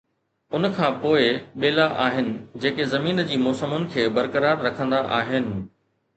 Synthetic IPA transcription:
ʊnkʰãːpoːɪɓeːlaʔaːɦɪnɪ̆d͡ʑeːkezɐmiːnd͡ʑiːmɔːsəmʊnɪ̆kʰeːbɐɾkəɾaːɾːɐkʰə̃nd̪aʔaːɦɪnɪ̆

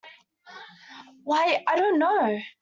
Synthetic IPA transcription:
waɪaɪɾõʊ̃nːoʊ

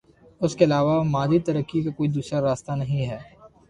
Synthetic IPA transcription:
ʊskeɐlaːʋamaːd͡ʒit̪ɐɾəkːikakoːid̪uːsɾaɾaːst̪anɐɦĩɦɛː

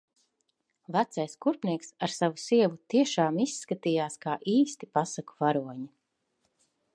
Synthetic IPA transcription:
væt̪sajskuɾpniɛksaɾsavusiɛvut̪iɛʃaːmisːkat̪iːjaːskaːʔiːst̪ipasaku̥vaɾuɔɲi

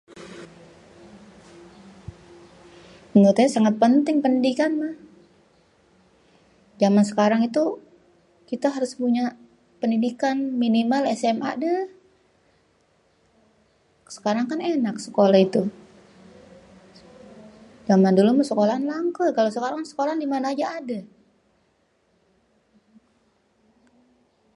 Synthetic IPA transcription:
əŋɡot̪aasaŋat̪̚pənt̪ɪŋpəndidikanmah | d͡ʒamansə̥kaɾaŋit̪u | kit̪aɦaɾʊspuɲa | pəndidikanminimalɛsɛmʔa̰dəh | sə̥kaɾaŋkanenak̚sə̥kolahit̪u | d͡ʒamandolʊmasəkolaanlaŋkəkalosəkaɾaŋŋsə̥kolandimanaːd͡ʒaːda

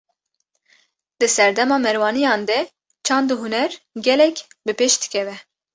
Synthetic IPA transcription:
d̪ɨsɛɾd̪ɛmɑːmɛɾwɑːnijɑːnd̪ɛ | t͡ʃʰɑːnd̪uɦunɛɾɡʲɛlɛkʲbɨpeʃd̪ɨ̥kʰʲɛvɛ

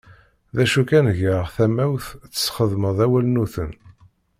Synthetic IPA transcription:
ðæʃukænʝəʁθæmæwθt͡sːə̥sχəðməðˤæwælnuθən

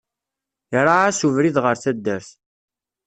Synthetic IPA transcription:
iɾˤaæsuvɾiðʁəɾθæd̪ːæɾθ

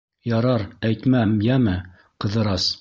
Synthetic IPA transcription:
jɑɾɑɾæjt̪mæmjæmɘ | qɤ̆ðɤ̆ɾɑs

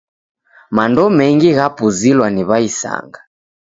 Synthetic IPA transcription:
mandɔmɛŋɡiɣapuzilwaniβaisa̰ŋɡa

